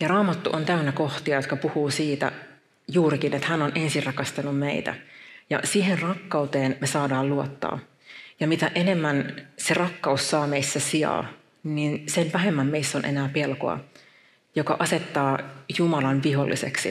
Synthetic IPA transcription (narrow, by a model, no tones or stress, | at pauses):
jɑrɑːmɑt̪ːuʔont̪æynːækoht̪iɑjot̪kɑpuhuːsiːt̪æ̰ | juːɾikinet̪hænonʔe̞nsirrɑkɑst̪ɑnummeit̪æ̰jɑ̰siːɦerrɑkːɑut̪eːnmesɑːdɑːluot̪ːɑ̰ː | jɑmit̪æʔenemːænserɑkːɑusːɑːmeisːæsiɑ̰ː | ninsenʋæɦemːæmmeisːonʔḛnæːpelko̰ɑ̰ | jokɑ̰ʔɑset̪ːɑːjumɑlɑnʋiɦolːḭsḛksḭ